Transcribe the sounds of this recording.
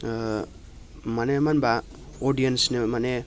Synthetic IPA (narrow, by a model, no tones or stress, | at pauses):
manemanba | oɖijensnemane